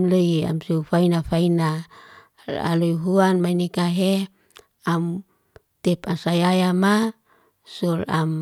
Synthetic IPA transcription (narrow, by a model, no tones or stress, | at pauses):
mleia̰msufainafaina | a̰lujɦuanmainikaɦe | am | t̪ɛpasajajama | sula̰m